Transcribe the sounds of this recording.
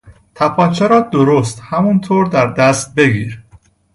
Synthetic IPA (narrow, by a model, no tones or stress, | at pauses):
t̪ʰæpʰɒːt͡ʃʰeɾɒːd̪oɾost̪hæmɒnt̪ʰoːɾd̪æɾd̪æst̪̚be̞ɡiːɾ